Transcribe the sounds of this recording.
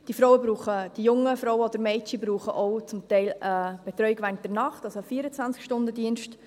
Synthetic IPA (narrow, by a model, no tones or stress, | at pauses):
d̥iəfɾɔwəbɾuːχəd̥ijʊŋːəfɾɔʊəɔd̪əɾmɛɪtibɾuːχəʔoʊt͡sʊmtɛɪləb̥ɛt̪ɾœʏɪɡʋɛːɾnt̚d̥ɛrnɑχtɑsofiːəɾət͡sʋænt͡skʃtʊndədiənʃt